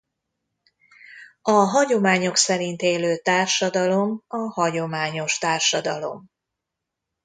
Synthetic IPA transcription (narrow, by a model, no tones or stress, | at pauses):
ɒɦɒɟo̞maːɲoksɛɾint̪eːløːt̪aːrʃɒd̪ɒlo̞mɒhɒɟo̞maːɲo̞ʃt̪aːrʃɒd̪ɒlo̞̰m